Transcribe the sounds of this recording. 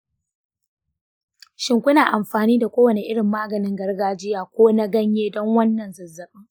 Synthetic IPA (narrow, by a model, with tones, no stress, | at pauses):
ʃɪ˨ŋkʷʊ˦naː˨ʔa˨mɸaː˨niː˦da˨kʷoː˦wɐ˨ne˨ʔɪ˦ɽɪ˨mːaː˦ɡɐ˨nɪ˦ŋɡɐ˦rɡaː˦d͡ʒɪ˦jaː˨kʷoː˦na˦ɡɐ˦ɲjeː˦dɔ˦ŋwɐ˦nːɐ˨nzɐ˨zːɐ˨ɓɪ˦ŋ